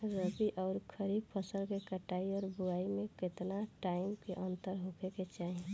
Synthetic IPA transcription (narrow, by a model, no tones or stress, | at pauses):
ɾəbiʔɔːɾkʰəɾib̚pʰəsəlkekəʈaiɔːɾbuaimẽket̪naʈaɪmkeʔənt̪əɾɦokʰeket͡ʃaɦi